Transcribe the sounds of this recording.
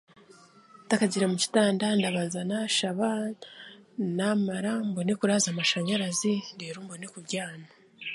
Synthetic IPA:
takaɟiɾamuci̥taːndandaβaːnzanaʃaβa | namaɾambonekuɾaːzamaʃaɲaɾazindeːɾuːmbonekubɟaːna

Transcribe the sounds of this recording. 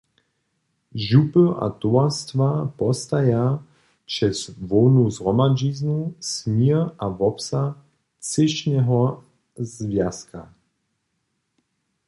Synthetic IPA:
ʒupəʔa̰t̪uast̪vapɔst̪aja | t͡ʃɛsvɔwnuzʁɔmad͡ʒiːznusmiʔavɔpsa | t͡sɪʃnɛɦɔ | zvjaskʰa̰

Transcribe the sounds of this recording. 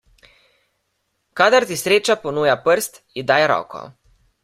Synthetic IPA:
kad̪aɾt̪isɾeːt͡ʃapɔnuːjapəɾst̪ | id̪aːjɛɾɔ̰ːkɔ̰

